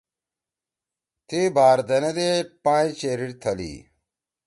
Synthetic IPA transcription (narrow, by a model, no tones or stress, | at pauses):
t̪ʰibaːɾd̪ɐnɐd̪epãːt͡ɕeɾiɾt̪ʰɐlḭː